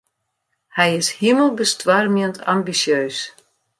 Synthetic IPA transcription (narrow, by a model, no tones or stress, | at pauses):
hɛjɪshiməlˠbəstwarmiəntʰa̰mbisjøːs